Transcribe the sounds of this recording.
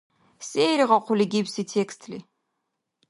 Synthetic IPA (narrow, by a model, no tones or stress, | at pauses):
seːɾiʁɑqʷʊliɡʲipsitʰekst̪ʰlḭ